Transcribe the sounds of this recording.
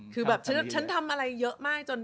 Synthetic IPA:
kʰɯː˧bɛː˨˩p̚t͡ɕʰa˦˥˨t͡ɕʰa˦˥nt̪ʰa˧mʔa˧ɾa˧jːɤ˦˥ʔmaː˥˩k̚t͡ɕo˧n

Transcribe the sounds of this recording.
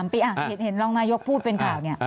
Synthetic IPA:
mpiː˧ʔa˨˩he˨˩˦t̪̚he˩˦nɾɔ˧wnaː˦˧˥jo˦˥k̚pʰuː˥˩t̪̚pe˧nkʰaː˨˩wni˥˩ɐ

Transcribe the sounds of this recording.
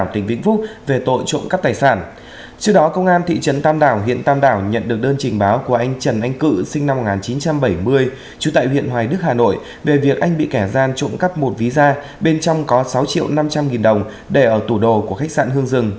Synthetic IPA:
wt̪ï˨˩ŋ̟vḭ˧˥ŋ̟fʊ˦˥k͡p̚ve˨˩t̪o̰˧˨jt͡ɕo̰˧˨ŋ͡mkaː˦˥p̚t̪aː˨˩jsaː˧˩n | t͡ɕɨ˦˥əɗɔ˨˦kə˧wŋ͡mʔaː˧nt̪ʰḭ˧˨t͡ɕə˨˦nt̪aː˧mɗaː˧˩wɦḭ˧˨ənt̪aː˧mɗaː˧˩wɲə̰˧˨nɗɨ˨˩ək̚ɗəː˧nt͡ɕï˨˩ŋ̟ɓaː˨˦wku˧˩əʔa˧jŋ̟t͡ɕə˧˩nʔa˧jŋ̟kɨ̰˧˥sï˧ŋ̟na˧mː˨˩t̚ŋaː˨˩t͡ɕi˨˦nt͡ɕa˧mɓə˧˩jmɨ˧əj | t͡ɕu˨˦t̪a̰ː˧˨jhwḭ˧˨ənɦwaː˨˩jɗɨ˦˥k̚haː˨˩no̰˧˨j | ve˨˩vi˨˩ək̚ʔa˧jŋ̟ɓḭ˧˨kɛ˧˩zaː˧nt͡ɕʊ̰o̰˧˥˨nka˦˥p̚mo˨˩t̚vi˨˦zaː˧ | ɓe˧nt͡ɕɔ˧wŋ͡mkɔ˨˦sa˨˦wt͡ɕḭ˧əwna˧mt͡ɕa˧mŋi˨˩nɗə˨˩wŋ͡m | ɗe˧˩ʔəː˧˩t̪u˧˩ɗo˨˩ku˧˩əxa˦˥jk̚sa̰ː˧˨nɦɨ˧əŋzɨ˨˩ŋ

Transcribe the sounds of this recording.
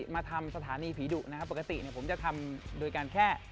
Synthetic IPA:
maː˧t̪ʰa˧msa˧t̪ʰaː˩˦niː˧pʰiː˩˦duː˨˩k̚na˦˥kʰa˦˥pːa˨˩ka˧t̪ḭ˨˩ni˥˩ɐpʰmt͡ɕa˨˩t̪ʰa˧mdoː˧jkaː˧nkʰɛː˥˩

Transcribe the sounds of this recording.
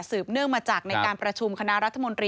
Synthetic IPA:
sɯː˨˩p̚nɯ˥˩əŋmaː˧t͡ɕaː˨˩k̚na˧jkaː˧npɾa˧t͡ɕʰu˧mkʰa˧na˦˥ɾa˦˥t̪ʰːa˧mo˧nt̪ɾiː˧

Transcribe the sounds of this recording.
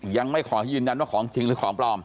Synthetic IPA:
ja˧ŋma˥˩jkʰɔː˩˦˥jɯː˧nja˧nwaː˥˩kʰɔː˩˦ŋt͡ɕʰi˧ŋɾɯː˨˦kʰɔː˩˦ŋplɔː˧m

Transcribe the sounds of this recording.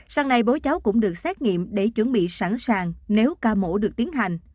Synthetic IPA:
saː˧ŋna˨˧jɓo˨˦t͡ɕa˨˦wkʊ̰˧˥ŋ͡mɗɨ˨˩ək̚sɛ˦˥t̚ŋḭ˧˨əmɗe˧˩t͡ɕwə˧˩nɓḭ˧˨sa˧˩nsaː˨˩ŋne˨˦wkaː˧mo̰˧˥˩ɗɨ˨˩ək̚t̪i˨˦ənɦa˨˩jŋ̟

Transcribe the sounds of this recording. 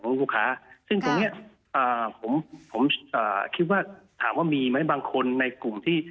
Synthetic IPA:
ŋluː˥˩kʰaː˦˥sɯ˥˩ŋt̪oː˧ŋni˦˥ɐ | ʔəː˨˩pʰo˩˦mpʰo˩˦mʔəː˨˩kʰi˦˥t̪̚waː˥˩t̪ʰa̰ː˩˦mwaː˥˩miː˧ma˦˥jbaː˧ŋkʰo˧nːa˧jklu˨˩mt̪ʰiː˥˩

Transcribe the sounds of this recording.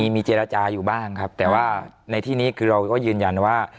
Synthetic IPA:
i˦˥miː˧t͡ɕeː˧ɾa˧t͡ɕaː˧juː˨˩baː˥˩ŋkʰa˦˥p̚t̪ɛː˨˩waː˥˩na˧jt̪ʰiː˥˩niː˦˥˩kʰɯː˧ɾa˧wkɔː˥˩jɯː˧nja˧nwaː˥˩

